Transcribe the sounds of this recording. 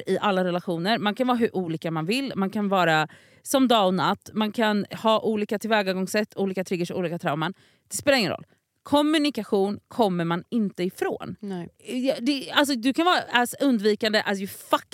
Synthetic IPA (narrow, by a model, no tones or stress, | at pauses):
ɪʔalːaɾɛlaɧuːnəɾmankʰanvɑːɾɦɵɾʔuːliːkamanvɪlːmankʰanvɑːɾa | sɔmd̪ɑːɔnat̪ːmankʰanhɑːʔuːliːkat̪ʰɪlvɛːɡaɡɔŋsɛt̪ːuːliːkat̪ʰɾʏɡːəʂɔṵːliːkat̪ʰɾaʊmaɳ | d̪̥ɛspeːlaɾɪŋənɾɔ̰lː | kʰɔmːʉnɪkaɧuːnkʰɔmːəɾmanɪnt̪əɪfɾo̰ːnjd̪ɛals̬ɔd̪ɵkʰanvɑːɾaʔɛsɵnd̪viːkand̪əʔajɵfakː